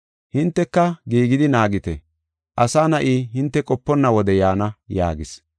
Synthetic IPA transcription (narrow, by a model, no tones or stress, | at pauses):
hɪnt̪ːɛkːɐɡiːɡɪd̪ɪnaːɡɪt̪ɛ̰ | ʔɐsaːnɐʔiːhɪnt̪ːɛkʼɔpːɔnːɐwɔd̪ɛjaːnɐja̰ːɡɪs